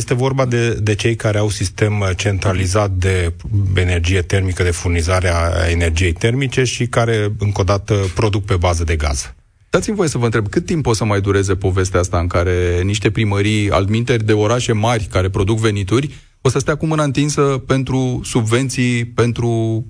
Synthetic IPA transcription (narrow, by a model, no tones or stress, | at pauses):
jest̪e̞vo̞rbad̪ed̪e̞t͡ʃe̞jkaɾe̞awsist̪e̞mt͡ʃe̞nt̪ɾalizat̪̚d̪e̞e̞ne̞rd͡ʒije̞t̪e̞rmikəd̪e̞furnizaɾea̰ene̞rd͡ʒije̞jt̪e̞rmit͡ʃe̞ʃikaɾe̞ɨŋko̞d̪at̪əpɾo̞d̪uk̚pe̞bazəd̪e̞ɡa̰z̥ | d̪̥at̪simvo̞je̞səvəɨnt̪ɾeb̚kɨt̪̚ːimpːo̞t̪səmajd̪uɾe̞ze̞po̞ve̞st̪east̪aɨŋkaɾe̞niʃt̪e̞pɾiməɾija̰ld̪mint̪e̞rʲd̪e̞o̞ɾaʃe̞marʲkaɾe̞pɾo̞d̪ukve̞nit̪urʲ | posəst̪eakumɨnaɨnt̪int̪səpe̞nt̪ɾusubve̞nt̪sijpe̞nt̪ɾu